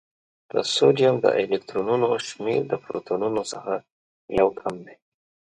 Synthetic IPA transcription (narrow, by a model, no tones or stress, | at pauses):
d̪̥ə̰sodijamd̪ə̰ʔelek̚t̪ɾonunoʃmiɾd̪əpɾo̰t̪ʰonunosəxa | jawkʰamd̪e